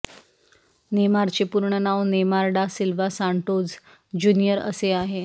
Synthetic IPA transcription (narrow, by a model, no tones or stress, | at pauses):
nemaɾt͡ɕepuɾɳənaʋnemaɾɽasilʋasaɳʈod͡z | d͡ʑunijəɾə̰seaɦe